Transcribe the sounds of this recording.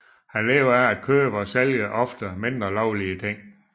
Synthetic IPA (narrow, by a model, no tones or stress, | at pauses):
hænlɛːʊɐææd̥̚kʰøːb̥əɒ̽seljəʔɒ̽fd̥əme̝nd̥ʁɐlɒʊliət͡sʰe̝ŋ̰